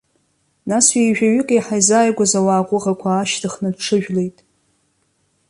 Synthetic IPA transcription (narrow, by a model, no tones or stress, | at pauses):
naswijʒᶣaɥɪkʼajħajzaːjɡʷazawaːqʷʼʊʁakʷʰaːʃtʰɨχnɨdʈ͡ʂʰɨʒᶣle̞jtʼ